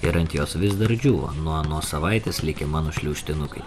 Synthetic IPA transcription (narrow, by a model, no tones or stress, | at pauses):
ɪɾɐnʲt̪ʲjoːsʋʲɪzd̪ɐɾd͡ʒʲuːʋo̰ːnuɔnoːsɐʋɐɪt̪ʲeːslʲɪkʲɛmɑːnoːʃʲlʲuːʃʲt̪ʲɪnʊkɐɪ